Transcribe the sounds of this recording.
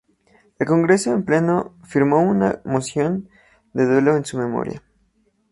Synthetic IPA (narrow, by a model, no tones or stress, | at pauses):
e̞lko̞ŋɡɾe̞so̞emple̞no̞fiɾmo̞una̰mo̞sjo̞n | d̪e̞ðwe̞lo̞ensume̞mo̞̰ɾja̰